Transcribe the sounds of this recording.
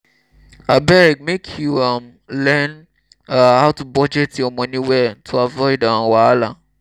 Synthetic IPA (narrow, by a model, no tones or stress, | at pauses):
abɛɾɛk̚mekʰjuam | lɛ̃n | ahaʊtubɔd͡ʒɛtiɔmɔ̃nĩwɛtʰuavɔidaãwaala